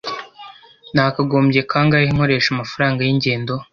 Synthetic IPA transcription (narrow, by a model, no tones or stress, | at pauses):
naːkaɡoːmbɟe̞kʰaːŋɡaiŋho̞ɾe̞ːʃamafaɾaːŋɡajiɲɟe̞ːndo̞